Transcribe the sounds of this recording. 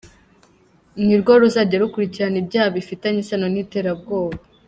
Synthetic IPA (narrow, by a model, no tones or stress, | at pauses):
mŋiɾɡoɾuzaɟeɾukuɾiciɾanibɟaːβifitaɲisano̞niːte̞ːɾab̚ɡo̞ːβa